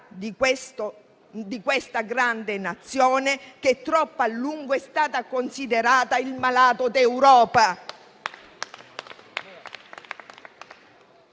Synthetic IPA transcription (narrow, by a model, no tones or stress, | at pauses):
d̪ | d̪ikwest̪aɡɾand̪enat̪sːjɔːnek̟et̪ːɾɔpːalːuŋɡoɛst̪aːt̪akonsid̪eɾaːt̪ailmalaːt̪od̪ewɾɔːpa